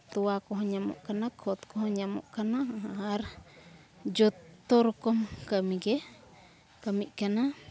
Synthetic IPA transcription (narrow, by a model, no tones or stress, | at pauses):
t̪uakoɦõɲãmo̰ʔkanãkʰot̪kohoɲãmõ̰ʔkanãahahaɾ | d͡ʒot̪oɾkomkamĩɡe | kamĩʔkanã